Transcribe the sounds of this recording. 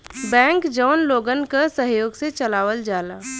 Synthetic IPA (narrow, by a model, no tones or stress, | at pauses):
bɛ̃ːŋkd͡ʒɔːnloːɡənkəsəɦjoːɡset͡ʃəlaːʋəld͡ʒaːla